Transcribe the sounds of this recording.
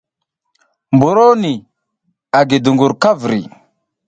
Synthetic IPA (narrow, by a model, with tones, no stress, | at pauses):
mbu˨ɾo˦ni˨ | a˨ɡi˨du˨ŋɡu˨ɾka˦vɾḭ˨